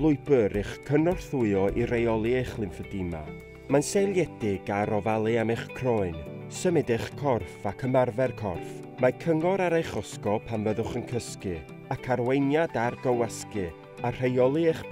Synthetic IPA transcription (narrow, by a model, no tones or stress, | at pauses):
lˠʊɨbɨɾɪχkʰənɔrθʊɨɔʔirejɔlˠɨejχlˠɪnfədɪma̰ | mansejlˠjɛdɪɡaɾɔvalˠɨameχkʰrɔɨnsəmɛdɪχkʰɔrfakʰəmarvɛrkʰɔ̰rf | makʰəŋɔɾaɾejχɔskɔpʰanvəðʊχənkʰəskɨ | akʰarwejnjadarɡəwaskɨ | ar̥ejɔlˠɨeχ